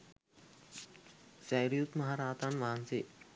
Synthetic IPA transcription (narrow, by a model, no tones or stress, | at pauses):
sajɾijut̪mɐɦaɾaːt̪anʋaːnsi